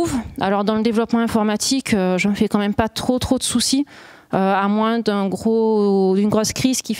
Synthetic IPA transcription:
va̰lɔʁd̪ɑ̃ləd̪evlɔpmɑ̃ɛ̃fɔʁmat̪ʰikʰøʒəməfɛkɑ̃mɛmpat̪χot̪χod̪əsusi | øamwɛ̃d̪ɛ̃ɡʁod̪ynɡʁoskχizkʲi

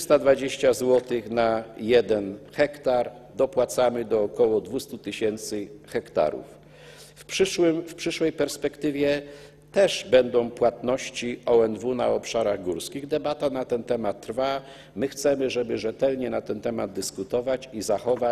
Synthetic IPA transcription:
st̪ad̪vad͡ʑeɕt͡ɕazwɔt̪ɘxnajɛd̪ɛnxɛkt̪aɾd̪ɔpwat̪samɘd̪ɔːkɔwɔd̪vust̪ut̪ɘɕɛnt̪sɘxɛkt̪a̰ɾṵf | pʂɘʂwɘmfpʂɘʂwɛjpɛɾspɛkt̪ɘvʲjɛ | t̪ɛʐbɛnd̪ɔ̃w̃pwat̪nɔɕt͡ɕiɔɛnd̪vunaɔpʂaɾaɣɡuɾskʲiɣd̪ɛbat̪anat̪ɛnt̪ɛmat̪ːɾfa | mɘxt̪sɛmɘʐɛbɘʐɛt̪ɛlɲɛnat̪ɛnt̪ɛmad̪̚d̪ɘskut̪ɔvat͡ɕizaxɔva

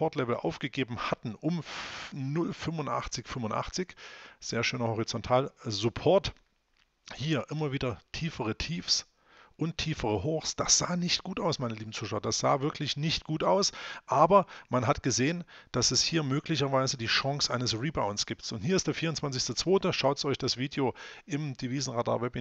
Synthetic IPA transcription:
pɔɐtlɛvl̩ʔa̰ʊfɡ̥əɡeːbm̩hatn̩ʔʊmnʊlfʏmvʊntʔa̰χt͡sɪçfʏmʊntʔa̰χt͡sɪçz̥eːɐʃøːnɐhɔʁit͡sɔntʰaːlzʊpʰɔɐt | hiːɐʔɪmɐviːdɐtʰiːfəʁətʰiːfs | ʔʊntʰːiːfəʁəɦoːxsd̥asz̥aːnɪçtɡ̥uːtʔaʊsmaɪnəliːbm̩t͡suːʃaʊɐd̥asz̥a̰ːvɪɐkʰlɪçnɪçtɡ̥uːtʔaʊsʔaːbɐmanɦatɡ̥əzeːənd̥asɛshiːɐmøːklɪçɐvaɪzədiːʃɔŋsʔaɪnəsʁiːbaʊnsɡ̥iːp̚tsʊnthiːɐɪstd̥eːɐfiːɐʊnt͡sv̥ant͡sɪçstət͡sv̥oːtəʃaʊtsʔɔɪçd̥asv̥iːdjoʔɪmd̥iviːzn̩ʁada̰ːɐvɛbi

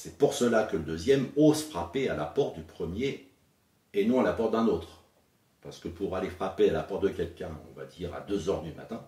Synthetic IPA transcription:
sɛpuʁsəlakələd̪øzjɛmozfχapealapɔʁt̪̚d̪ypχəmjeː | nɔ̃alapɔʁt̪̚d̪ɛ̃not̪χ | paʁsə̥kəpuʁalefχapealapɔʁt̪̚d̪əkʲɛlkʲɛ̃ɔ̰̃va̰d̪iːʁa̰d̪øzœʁd̪yma̰t̪ɛ̃

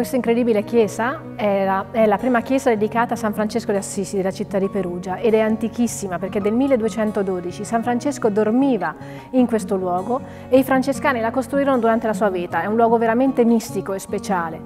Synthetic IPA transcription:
kwest̪aiŋkɾed̪iːbilek̟jɛːza | ɛɾaɛlapɾiːmakjɛːzad̪ed̪ikaːt̪aːsːaɱfɾant͡ʃeskod̪easːisid̪elat͡ʃit̪ːad̪ːipeɾuːd͡ʒaʔed̪ɛant̪ikisːimaperked̪ːelmilːed̪uet͡ʃɛnt̪od̪oːd̪it͡ʃisaɱfɾant͡ʃeskod̪ormiːva | iŋkwest̪olwɔːɡo | eifɾant͡ʃeskaːnilakost̪ɾuiːɾonod̪uɾant̪elasuːaviːt̪aɛunlwɔːɡoveɾament̪emist̪ikoespet͡ʃaːle

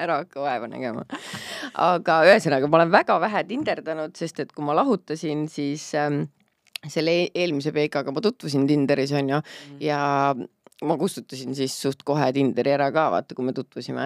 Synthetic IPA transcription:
æɾɑɑkːɑɑevɑnæ̰ɡ̥e̞̰mɑ̰ | ɑɡ̥ɑyɦesenɑɡ̥ɑmɑo̞le̞nvæɡ̥ɑvæɦæt̪ind̪̥e̞rd̪ɑnud̪̥se̞st̪e̞t̪kumɑlɑɦut̪ːˑɑsʲinsiːs | se̞lːee̞ːlmis̬e̞pe̞jkˑɑɡ̥ɑmɑt̪ut̪ːˑvus̬int̪ind̪eɾiso̞nʲjujɑ | mɑkust̪ut̪ˑːɑsinsisːuht̪ko̞ɦet̪ind̪̥eɾiæɾɑkɑːvɑ̰t̪ːˑekumet̪ut̪ːˑvusimḛ

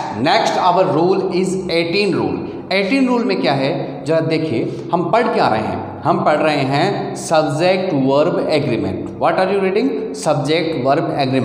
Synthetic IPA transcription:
neksʈɐʋəɾːuːlɪzeːʈiːnɾṵːl | eːʈiːnɾuːlmẽkjaːɦɛ | d͡ʒɐɦd̪eːkʰie | hɐmpɐɽkea̰ːɾɐ̰ɦḛɦɛ̰̃ | hɐmpɐɽɾɐɦeɦɛ̃sɐbd͡ʒek̚ʈʋəɾbɛːɡɾimḛ̃ɳʈʋɔːʈaːɾjuɾiːɖɪ̃ŋɡsɐb̚d͡ʒek̚ʈʋɐɾbɛːɡɾim

